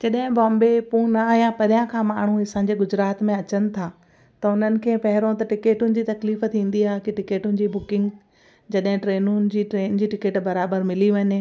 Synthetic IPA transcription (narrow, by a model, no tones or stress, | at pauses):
d͡ʑɐɗɦɪ̃bɔ̃ːmbepũːnɐɦijãpɐɾjãkʰãːmaːɳ̤uɦɪsãːɲ̆d͡ʑeɡʊd͡ʑɾaːt̪mẽɐt͡ɕənɪ̆t̪ʰaː | t̪ɐʊn̤ənɪ̆kʰẽːpɐɦɪɾõt̪ɐʈɪkeːʈʊnɪ̆d͡ʑiːt̪ɐkliːft̪ʰĩːn̆d̪iaːɦekiʈɪkeːʈʊnɪ̆d͡ʑiːbʊkɪ̃ŋɡ | d͡ʑɐɗɦɪ̃ʈɾeːnʊnɪ̆d͡ʑiːʈɾeːnɪ̆d͡ʑiːʈɪkeːʈbɐɾaːbəɾmɪliʋɐɲ